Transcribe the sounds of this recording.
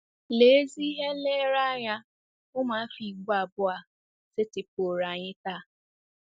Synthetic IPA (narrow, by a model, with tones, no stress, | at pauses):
le˨˦zi˦ɦe˦le˦ɾa˦ja˧ | ʊ˦mãː˨˦fi˨ɡ͡bo˦a˨bʊ˦a˨ | se˦tɪ˨po˨ɾa˨ɲɪ˦ta˦˨